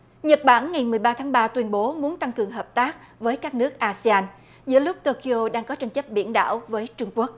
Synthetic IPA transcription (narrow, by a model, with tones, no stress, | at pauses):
ɲə˨˩t̚ɓa̰ː˧˩nŋa˨˩jmɨ˨˩əjɓaː˧t̪ʰaː˨˦ŋɓaː˧t̪wi˧ənɓo˨˦mu˨˦ənt̪a˧ŋkɨ˨˩əŋɦəː˨˩p̚t̪aː˦˥k̚ | vəː˨˦jkaː˦˥k̚nɨ˦˥ək̚ʔaː˧si˧aː˧n | zɨ̰˧˥əlʊ˦˥k͡p̚t̪o˧ki˧o˧ɗaː˧ŋkɔ˨˦t͡ɕa˧jŋ̟t͡ɕə˦˥p̚ɓḭ˧˩ənɗa̰ː˧˩wvəː˨˦jt͡ɕʊ˧ŋ͡mku˦˥ək̚